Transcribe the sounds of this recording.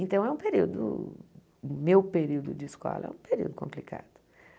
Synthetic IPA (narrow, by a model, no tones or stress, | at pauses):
ẽnt̪ɐ̃w̃ɛũpeɾiwd̪ʊ̰ | mewpeɾiwd̪ʊd͡ʒɪɪskɔ̰lɐɛ̰ũpeɾḭwd̪ʊkõmplika̰d̪̥ʊ̥